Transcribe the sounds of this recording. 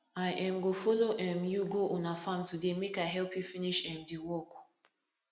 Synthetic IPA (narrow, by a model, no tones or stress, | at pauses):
aɪʔɛ̃mɡofɔloʔɛ̃mjuɡoʔɔnafãmtudemekaɪɦɛlpjufiniʃɛ̃mdiwɔk